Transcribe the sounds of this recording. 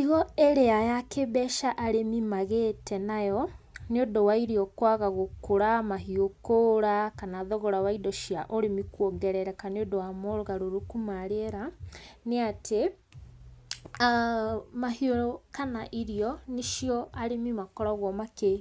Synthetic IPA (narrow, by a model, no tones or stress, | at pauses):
iɣɔɛɾeajakebɛʃaʔaɾemimaɣetɛnajɔ | neodɔwaiɾiɔkwaɣaɣokoɾamaɦiokoɾakanaðɔɣɔɾawaidɔʃiaʔoɾemikwɔŋɡɛɾɛɾɛkaneodɔwamoɾoɣaɾoɾokumaɾeɾaneatʰe | mahioɾkanaʔiɾiɔniʃjɔaɾemimakɔɾɔɣwɔmake